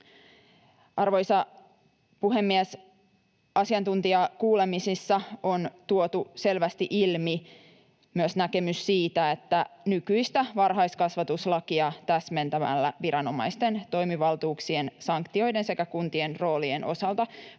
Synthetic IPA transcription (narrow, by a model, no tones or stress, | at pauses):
ʔɑrʋo̞jsɑ | puɦe̞mːies | ʔɑsiɑnt̪unt̪iɑkuːle̞misisːɑont̪uot̪use̞lʋæst̪iʔilmi | myøsnæke̞mysːiːt̪æe̞t̪ːænykyist̪æʋɑrɦɑjskɑsʋɑt̪uslɑkiɑt̪æsme̞nt̪æmæ̰lːæ̰ʋiɾɑno̞mɑjst̪e̞nt̪o̞jmiʋɑlt̪uːksiensɑŋkt̪io̞jde̞nse̞kækunt̪ie̞nro̞ːlienʔo̞̰sɑlt̪ɑ